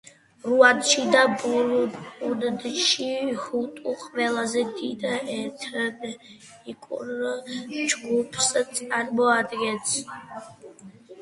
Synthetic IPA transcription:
ɾuad̪ʃid̪abuund̪ʃihut̪ʼuqʼvɛlazɛd̪id̪ɛt̪ʰɾd | ikʼṵn | d͡ʒɡupʰst̪sʼaɾmɔad̪ɡɛt̪sʰ

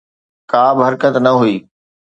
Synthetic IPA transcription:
kaːbɪɦɐɾkət̪nɐɦuiː

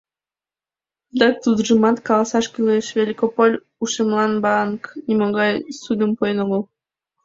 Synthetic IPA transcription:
d̪ɑk̚t̪ud̪ʒɨmɑt̪kɑlˠɑsɑʃkʲylʲeʃvʲelʲikopolʲ | uʃemlˠɑnbɑnknʲimɑɣɑjsud̪əmpojnolˠu

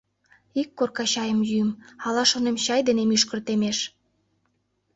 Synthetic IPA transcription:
ikːorkɑɕɑjəmjymɑlɑʃonemɕɑjd̪enemyʃkə̆rt̪emeʃ

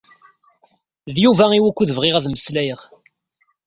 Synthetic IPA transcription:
ðjuvæiwækʷːuðəvʁɪʁæðməslæjəʁ

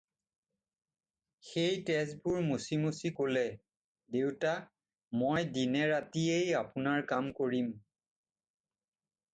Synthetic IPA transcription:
xejtɛsbʊɹmusimusikolɛ | dewta | mojdinɛɹatiejapʊnaɹkamkoɹim

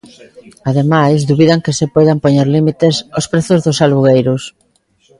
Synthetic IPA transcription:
aðemajsðuβiðaŋkesɪpojðampoɲeɾlimit̪ɪsospɾeθʊzðʊsalβuɣejɾʊs

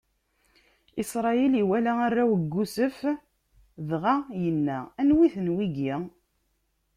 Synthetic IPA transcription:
isɾˤɑiliwælæarːawəɡːusəf | ðʁajənːæænwiθənwiɡi

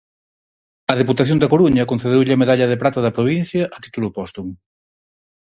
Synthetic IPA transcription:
ɐðeput̪ɐθjond̪ɐkoɾuɲɐkon̟θeðewʎɪɐmeðaʎɐðepɾat̪ɐðɐpɾoβ̞in̟θjɐʔɐt̪i̥t̪ulʊpɔst̪uŋ

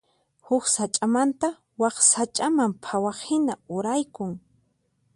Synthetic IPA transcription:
hʊksat͡ʃʼamant̪a | wɑχsat͡ʃʼamampʰawɑχhɪnaʊɾajkʊŋ

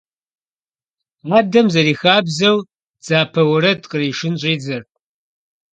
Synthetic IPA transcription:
aːdɐmzɐɾiːxaːbzɐw | d͡zaːpʰɐwɐɾɐtqəriːʂɪnɕʼiːd͡zɐr

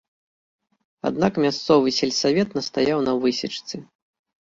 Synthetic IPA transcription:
a̰d̪nakmʲast̪sɔvɨsʲɛlʲsavʲɛt̪nɐst̪ajawnɐvɨsʲit͡ʂt̪sɨ

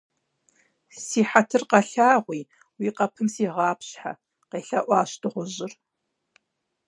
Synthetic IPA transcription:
siːħatʰɨrqɐɬaːʁʷiː | wiːqɐpʰɨmsiːʁɑːpɕħa̰ | qeːɬɐʔʷɑːɕtʰɨʁʷʊʑɪr

